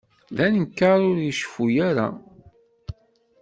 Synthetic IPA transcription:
ðænəmkːaɾʊɾjəʃfujæɾa̰

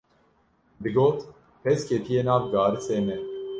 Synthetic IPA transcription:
b̪ɨɡoːt̪ | pʰɛskʰet̪ʰijeːnɑːvɡɑːɾɨseːmɛ

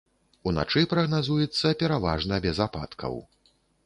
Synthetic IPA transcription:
una̰t͡ʂɨpɾɐɣnazujɛt̪sːɐpʲɛɾava̰ʐnɐbʲɛzapa̰t̪kʰɐ̰w

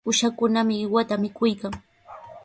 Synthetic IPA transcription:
ʊʃakʊnamɪɪwat̪amɪkʊjkaŋ

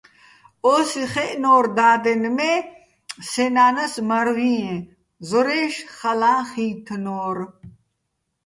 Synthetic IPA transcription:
osiχeʔnoːɾd̪aːd̪enme | senaːnɐsmɐɾwiẽ | zoɾeːʂχɐlaːχiːt̪ʰnoːɾ

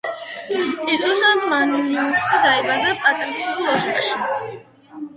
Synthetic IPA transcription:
pʼiɾuzamanuniusid̪aɛbad̪apʼat̪ʼɾisiulaʃɛχʃi

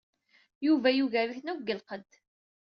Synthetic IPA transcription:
juvæjuvæɾiçnuɡːəlqəd̪

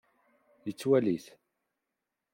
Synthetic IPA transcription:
jət͡sːwæliθ

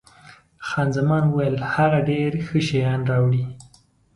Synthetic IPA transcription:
xɑnzamɑnuwajəlhaɣaɖeɾxəʃajɑnɾɑwɽi

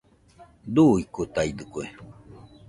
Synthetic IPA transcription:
d̪uikut̪aid̪ɨkue

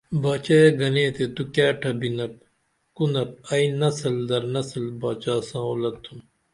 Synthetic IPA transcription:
baːt͡ɕajeɡɐneːt̪et̪ukjaːʈʰɐbinɐp̚ | kunɐp̚ɐinɐsɐld̪ɐɾnɐsəlbaːt͡ʃaːsãːoːlɐt̪ʰːum

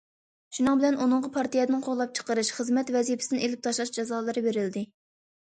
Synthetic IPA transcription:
ʃunɨŋbɪlɛnunɨɴʁɑpʰɑɾt̪ijɛd̪ɨnɨŋqʰoʁlˠɑp̚t͡ʃʰə̥qəɾɨʃχəzmɛt̪vɛzipʰɪ̥sɪnelɪp̚t̪ʰɑʃlˠɑʃd͡ʒɑzɑːlˠɨɾɨbeɾɪld̪ɪ

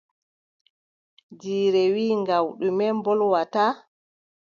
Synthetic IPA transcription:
d͡ʒiːɾɛwiːŋɡawɗumɛmbɔlwata

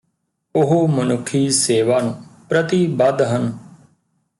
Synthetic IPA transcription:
ʊɦoːmənʊkʰːiːseːʋaːnũːpɾət̪iːbəd̪ɦən

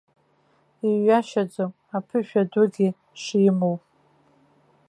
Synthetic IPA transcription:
iaʃad͡zom | apʰɨʃᶣadʊɡʲi | ʂimowpʼ

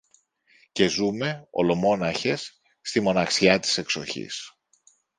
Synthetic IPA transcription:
ce̞zume̞o̞̰lo̞mo̞nɐçe̞sː | t̪imo̞nɐksiɐt̪i̥se̞kso̞çḭs

